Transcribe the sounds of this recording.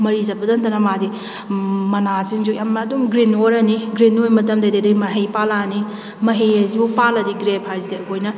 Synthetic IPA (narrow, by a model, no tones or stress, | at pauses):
mɐɾizɐbɐdɐnt̪ɐnɐmadi | mɐnasiŋd͡ʒujamːdumɡɾinoɾɐniɡɾinojmɐt̬ɐmdɐdedɐjmɐɦejpalani | mɐɦejezibupalɐdiɡɾepʰhajzidɐɐkʰojnɐ